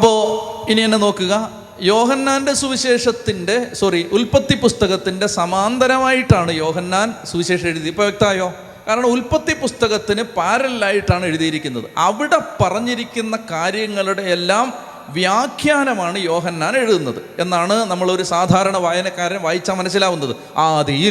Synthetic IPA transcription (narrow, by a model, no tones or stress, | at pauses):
ɐpːo̞ːinienːeno̞ːkːuɣɐ | jo̞ːɦɐnːaːnde̞suʋiɕe̞ːʂɐt̪ːinde̞sɐriʔulpɐt̪ːipust̪ɐɣɐt̪ːinde̞sɐmaːnd̪ɐɾɐmaːjiʈːaːɳɨjo̞ːɦɐnːaːnsuʋiɕe̞ːʂɐmeɻuðiprɐʋjɐk̚t̪aːjo̞ː | kaːɾɐɳɐmulpɐt̪ːipust̪ɐɣɐt̪ːinɨpaːɾɐllaːjiʈːaːɳe̞ɻuðijiɾikʲːunːɐðɨ̰ʔɐʋiɽe̞pɐrɐɲːiɾikʲːunːɐkaːɾjɐŋːɐɭuɽe̞ːlːaːm | ʋjaːkʰjaːnɐmaːɳɨjo̞ːɦɐnːaːne̞ɻuðunːɐðɨe̞nːaːɳɨnɐmːɐɭo̞ɾusaːd̪ʱaːɾɐɳɐʋaːjɐnɐkːaːɾjɐmʋaːjit͡ɕːaːmːɐnɐs̬ːilaːʋunːɐðɨ | aːðiji